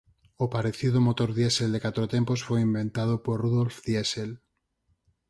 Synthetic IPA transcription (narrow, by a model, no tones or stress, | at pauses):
opaɾeθiðomot̪oɾðjeseld̪ekat̪ɾot̪emposfojimbẽnt̪að̞opoɾruðolfðjesel